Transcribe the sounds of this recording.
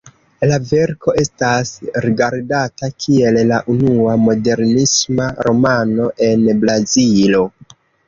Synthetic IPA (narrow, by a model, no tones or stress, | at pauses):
lave̞ɾkʰo̞e̞stasɾiɡaɾdatakʰie̞llaʔunuamo̞de̞ɾnismaɾo̞mano̞ʔe̞nbɾazilo̞